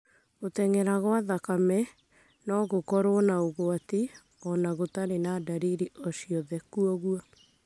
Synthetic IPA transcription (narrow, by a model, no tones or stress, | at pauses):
otɛŋɛɾaɣoaðakamɛ | nɔɣokɔɾoɔnaoɣoati | ɔnaɣotaɾenadaɾiɾiʔɔʃiɔðɛkuɔɣua